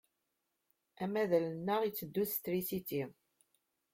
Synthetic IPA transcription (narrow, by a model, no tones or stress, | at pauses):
æmæðælənːəʁit͡sːəd̪ːuθt̪ɾisit̪i